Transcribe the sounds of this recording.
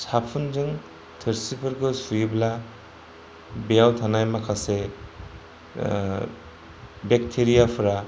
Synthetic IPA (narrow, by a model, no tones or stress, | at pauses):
sapʰunzɯŋ | tʰɯɾsipʰɯɾɡɯsujibla | bejawtʰanajmakʰase | bek̚tʰeɾijapʰɯɾa